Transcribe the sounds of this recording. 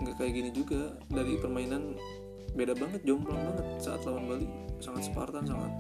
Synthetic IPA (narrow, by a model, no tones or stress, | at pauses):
ŋɡakajaɡinid͡ʒuɡa | daɾipərmainan | bedabaŋət̪̚d͡ʒaʊŋpəlaŋbaŋət̪̚saʔa̰t̪lawanbalisaŋat̪sə̥pa̰rt̪ans̬aŋa̰t̪̚